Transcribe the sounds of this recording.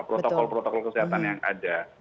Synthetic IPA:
pɾot̪okɔlpɾɔt̪ɔkɔlkəsiɦat̪anjaŋʔa̰da

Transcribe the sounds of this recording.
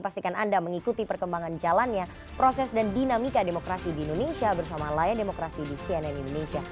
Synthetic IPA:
past̪ikanandaməŋikut̪ipərkəmbaŋand͡ʒalanɲa | pɾosɛsdandinamikademokɾasidiːndonesiabərsamalajɛndemokɾasidisiɛnɛnindonesia

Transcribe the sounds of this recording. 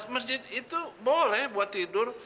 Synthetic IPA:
məsd͡ʒɪd̪̚it̪ubolɛhbuat̪ːidʊr

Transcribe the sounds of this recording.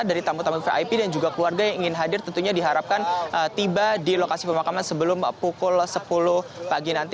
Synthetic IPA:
daɾit̪amut̪amufeʔa̰jpidand͡ʒuɡakəluarɡajaŋiŋɪnɦadɪrt̪ənt̪uɲadiɦaɾap̚kanʔət̪ibadilokasipəmakamansəbəlʊmpukʊlsəpulʊhpaɡinant̪i

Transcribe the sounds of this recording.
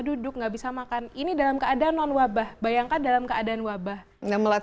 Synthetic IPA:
dudʊk̚ŋɡabisamakaninidalamkəadaʔanːɔnwabahbajaŋkandalamkəadaːnwabah | naməla

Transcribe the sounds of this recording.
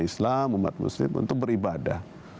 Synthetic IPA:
islamuma̰t̪̚mṵslɪmṵnt̪ʊk̚bəɾibadah

